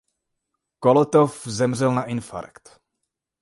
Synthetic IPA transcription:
kolot̪ofzɛmr̝ɛlnaʔɪnfa̰ɾkt̪

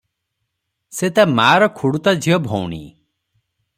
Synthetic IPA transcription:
set̪amaːɾɔkʰuɽut̪ad͡ʒʱiɔbʱɔwnḭ

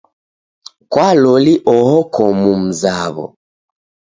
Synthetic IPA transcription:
kwalɔliʔɔhɔkʰɔmum̩zaβɔ̰

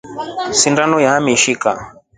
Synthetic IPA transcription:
sindanɔjaamiʃika̰

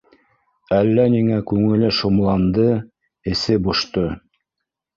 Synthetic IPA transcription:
ælːæniŋækʉŋɘ̆lɘʃomlˠɑnd̪ɤ | ɘ̆sɘbŏʃt̪ɤ

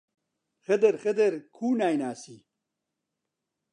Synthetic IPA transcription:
xɐd̪ɐɾxɐd̪ɐɾkʰuːnaːjnaːsi

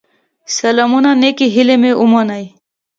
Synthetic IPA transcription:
sɐlamunanekiɦilemeʔumanaj

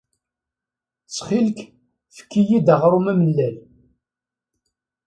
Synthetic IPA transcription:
t͡sːχilk | fə̥kːijid̪əʁɾˤumæməlːæl

